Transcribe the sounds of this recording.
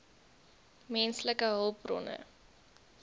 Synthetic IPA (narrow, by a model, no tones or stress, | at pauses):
mɛnsləkəɦəlˠp̚rɔ̰nə̰